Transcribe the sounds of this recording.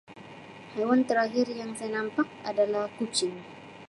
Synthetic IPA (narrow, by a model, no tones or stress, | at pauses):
hawant̪əɾaɦɪrjaŋsajanampak̚adalahkut͡ʃɪŋ